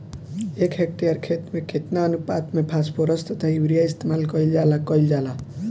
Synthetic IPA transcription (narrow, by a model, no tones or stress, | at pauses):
ekʰɦek̚ʈijaɾkʰet̪mekʰet̪naʌnupat̪mepʰaspoɾʌst̪ʌt̪ʰauwɾijaist̪emalkʌild͡ʒalakʌild͡ʒala